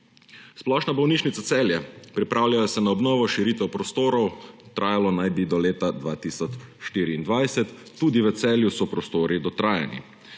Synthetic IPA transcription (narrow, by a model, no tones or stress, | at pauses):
splɔːʃnabɔwniːʃnit̪sat̪sɛːljɛpɾipɾʔaːwljajɔsɛnaɔbnɔːʋɔʃiɾiːt̪ɛwpɾɔst̪oːɾɔwt̪ɾʔaːjalɔnajbid̪ɔleːt̪ad̪ʋaːt̪isɔt͡ʃʃt̪iːɾiːnd̪ʋajsɛt̪ːuːd̪iʋət̪sɛːljusɔpɾɔst̪oːɾid̪ɔt̪ɾaːja̰nḭ